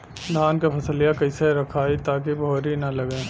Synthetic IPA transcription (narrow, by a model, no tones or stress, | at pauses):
d̪ʱaːnkepʰɐsəlijakɐiseɾɐkʰaːit̪aːk̬ibʱoːɾinɐlɐɡẽː